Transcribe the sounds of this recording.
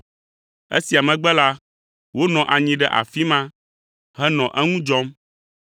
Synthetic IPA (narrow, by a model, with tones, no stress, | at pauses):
ḛ˦si˨a˨mɛ̃˨ɡ͡bɛ˦la˦ | wo˦nɔ̃˨ʔa˨ɲĩ˨ɖɛ˦ʔa̰˨fi˦mã˦ | hɛ˦nɔ̃˨ʔɛ˦ŋũ˦d͡ʒɔ˦m